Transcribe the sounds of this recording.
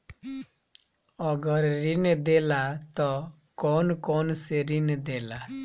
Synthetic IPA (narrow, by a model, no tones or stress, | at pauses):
ɔɡəɾːind̪elat̪ɔ | kɔnkɔnseɾind̪ela